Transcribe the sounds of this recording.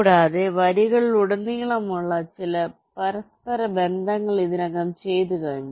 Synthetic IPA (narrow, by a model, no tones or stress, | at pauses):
ɽaːðeʋɐɾiɣɐɭiluɽɐnːijɐɭɐmuɭːɐt͡ɕilɐ | pɐɾɐspɐɾɐbe̞nd̪ʱɐŋːɐɭiðinɐŋːɐmt͡ɕe̞jt̪ukaːɳːi